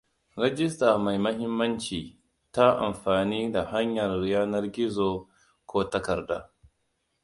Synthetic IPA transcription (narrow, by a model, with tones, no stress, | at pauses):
ɾɛ˦d͡ʒɪ˦staː˨ma˨jmɐ˦ɦɪ˦mːɐ˦nt͡ʃiː˨ | ta˦ʔa̰˨mɸaː˨niː˦da˨ha˦ɲjɐ˨rːɪ˨jaː˦nɐ˦rɡʲɪ˦zo˦ | kʷoː˦tɐ˦kɐ˨rda̰ː˦